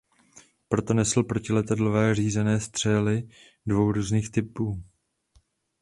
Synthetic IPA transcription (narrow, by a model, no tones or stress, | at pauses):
pɾo̞t̪o̞nɛsl̩pɾo̞cɪlɛt̪adlovɛːr̝iːzɛnɛːst̪r̝̥ɛlɪ | dvo̞wɾuːzniːxt̪ɪpuː